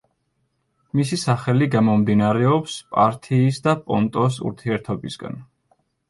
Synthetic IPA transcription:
misisaχɛliɡamɔmd̪inaɾɛɔpspʼa̰ɾt̪ʰiːsd̪apʼɔnt̪ʼɔs̬ṵɾt̪ʰiɛɾt̪ʰɔbisɡa̰n

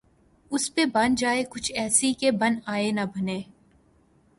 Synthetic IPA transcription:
ʊspebɐnd͡ʒaːekʊt͡ʃʰɛːsikebɐ̃naːenɐbɐneː

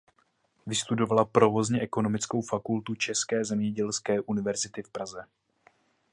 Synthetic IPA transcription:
vɪst̪udo̞valapɾo̞vo̞zɲɛʔɛko̞no̞mɪt͡sko̞wfakult̪ut͡ʃɛskɛːzɛmɲɛɟɛlskɛːʔunɪvɛɾzɪt̪ɪfpɾazɛ

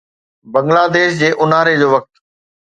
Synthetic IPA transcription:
bɐ̃ŋɡlaːd̪eːʃd͡ʑeːʔʊnaːɾed͡ʑoːʋɐk̚t̪

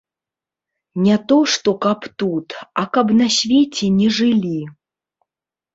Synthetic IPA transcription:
nʲɛt̪ɔʂt̪ɔkapt̪ut̪ɐkɐpnɐsʲvʲet͡sʲɛnʲɛʐɨlʲi

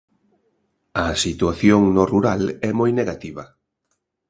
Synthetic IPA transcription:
ɐsit̪uaθjoŋnoruɾalɛmojneɣat̪iβɐ

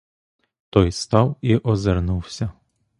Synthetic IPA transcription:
t̪ɔjst̪ɑwiʔɔzernuwsʲɐ

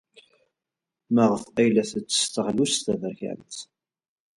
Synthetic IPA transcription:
məʁəθqæjlæθət͡sːə̥st̪əʁlust̪ævəɾçæ̰nθ

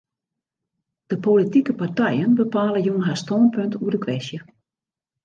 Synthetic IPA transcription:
d̥əpolitikəpartɛjənbəpaːləjunɦaːstɔːnpøntʰuərdəkʰʋɛsjə

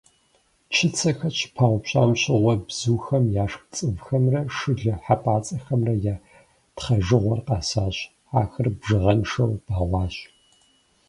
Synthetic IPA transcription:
t͡ʃʰɪt͡sʰɐxɐt͡ʃʰpʰaːwʷpɕʼa̰ːmɕʼɪʁʷɔbz̥uːxɐmjaːʂt͡sʼɨvxɐmrɐʂɨɮɐħapʼaːt͡sʼɐxɐmrɐjaː | tχɐʒɨʁʷɔrqɑːsaːɕ | aːxɨrbʒɨʁɐnʂɐwb̥aːʁʷɑːɕ

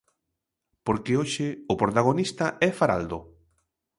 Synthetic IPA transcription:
poɾkɪoʃɪʊpɾot̪aɣonist̪aʔɛfaɾa̰ld̪o

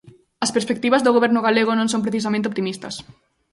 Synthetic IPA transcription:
ɐspeɾspek̚t̪iβɐzðoɣoβɛɾnʊɣaleɣ̞ʊnõŋsõmpɾeθis̬amẽnt̪eop̚t̪imist̪ɐs

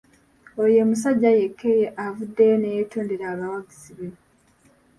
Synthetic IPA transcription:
ojemus̬aɟːaje̞kʰːejeʔavudːe̞jonejetoːndeɾaːβawaɡiziβe

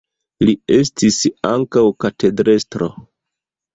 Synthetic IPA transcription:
lie̞stisaŋkawkate̞dɾe̞stɾo̰

